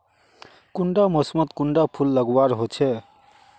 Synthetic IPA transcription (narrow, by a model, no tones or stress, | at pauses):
kuɳɖamɔsmɔt̪kuɳɖapʰulːəɡɔwaɹɦot͡ɕʰe